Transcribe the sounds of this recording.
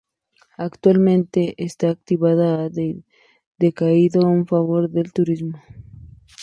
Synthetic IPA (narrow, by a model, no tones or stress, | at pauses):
akt̪walmẽnt̪eʔest̪aːk̚t̪iβaða | d̪ekaiðouɱfaβoɾðelt̪uɾizmo